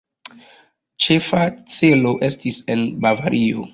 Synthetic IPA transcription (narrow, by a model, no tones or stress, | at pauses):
t͡ʃe̞fat͡se̞lo̞ʔe̞stisenbavaɾʔio̰